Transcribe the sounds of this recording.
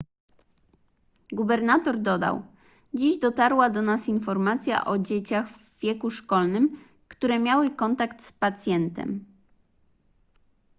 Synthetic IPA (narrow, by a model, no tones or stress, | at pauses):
ɡubɛɾnat̪ɔɾd̪ɔd̪a̰w | d͡ʑiʑd̪ɔt̪aɾwad̪ɔnasinfɔɾmat̪sʲja̰ʔɔd͡ʑet͡ɕaɣvːʲjɛkuʂkɔlnɘm | kt̪uɾɛmʲjawɘkɔnt̪akt̪spat̪sʲjɛnt̪ɛ̰m